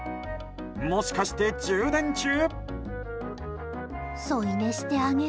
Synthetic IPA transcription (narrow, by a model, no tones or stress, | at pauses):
moɕi̥kaɕi̥t̪e̞d͡ʑɨːd̪ãnt͡ɕɨː | soineɕi̥t̪e̞aŋe